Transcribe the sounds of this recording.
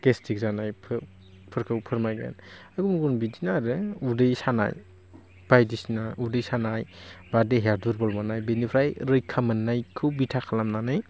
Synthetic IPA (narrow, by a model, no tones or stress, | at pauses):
kestʰik̚zanajpʰ | pʰɯɾkʰɯwpʰɯɾmajɡa̰naɡumɡunbidinaɾɯudɯjsana̰j | b̥ajdisinaudɯjsanajbadeɦeaɾduɾbɔlmanajbenipʰɾajɾɯjkʰamɯnːajkʰɯwbitʰakʰalamnanɯj